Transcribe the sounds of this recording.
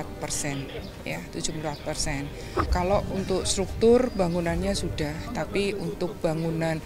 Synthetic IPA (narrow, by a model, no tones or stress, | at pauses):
at̪̚pərsɛn | ja̰t̪u̥d͡ʒupulpat̪̚pərsɛn | kalount̪ʊkst̪ɾuk̚t̪ʊrbaŋunanɲasudaht̪apiunt̪ʊk̚b̥aŋunan